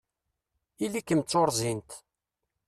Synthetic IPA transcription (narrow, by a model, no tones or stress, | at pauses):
ilikːəmt͡sːoɾˤzint̪